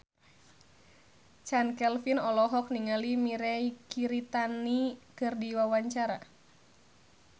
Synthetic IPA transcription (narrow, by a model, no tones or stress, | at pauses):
t͡ʃankɛlfinɔlɔɦɔk̚niŋalimiɾɛkiɾit̪anikɨrdiwawaɲt͡ʃaɾa